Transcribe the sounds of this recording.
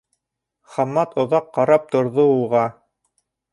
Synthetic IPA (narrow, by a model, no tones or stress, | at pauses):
χɑmːɑt̪ŏðɑqːɑɾɑp̚t̪ŏɾðoulˠʁɑ